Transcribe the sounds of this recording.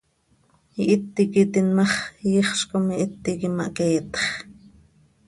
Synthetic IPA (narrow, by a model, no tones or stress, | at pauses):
iʔit̪ːikit̪inmɑχjiχʃkomiʔit̪ːikimɑʔkeːt̪χ